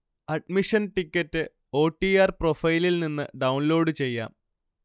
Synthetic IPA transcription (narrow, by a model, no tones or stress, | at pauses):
ɐɖmiʂɐnʈikʲːɐtːɨ | o̞ːʈːiaːrprofɐjlilninːɨ̰ɖɐwnlo̞ːɖɨt͡ɕe̞jːa̰ːm